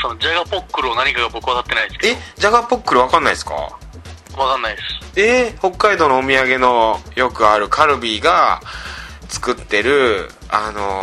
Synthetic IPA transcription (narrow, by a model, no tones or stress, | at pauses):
sonod͡ʑaɡapokːɯɾɯonaɲ̟ikaɡabo̞kɯβat̪at̪ːe̞naisɨ̥keed͡ʑaɡapo̞kːɯ̟ɾɯ̟βakãnːaisɨ̥ka̰ | βakanːaiesɨ̥e̞ho̞kːaid̪o̞ːno̞ːmʲiaɡe̞no̞jo̞kɯ̟aɾɯ̟kʰaɾɯ̟bʲiːɡa | t͡sɨ̥kɯ̟t̪ːe̞ɾɯ̟ | ano̞